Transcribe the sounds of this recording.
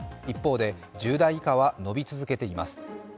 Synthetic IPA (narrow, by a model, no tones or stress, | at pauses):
ipːo̞ːd̪e̞d͡ʑɨːd̪aikaβano̞bʲit͡sɨzɨke̞t̪e̞imasɨ̥